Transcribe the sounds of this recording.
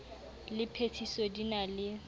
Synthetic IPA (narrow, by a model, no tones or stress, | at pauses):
lɪpʰetʰisɔdinalɪ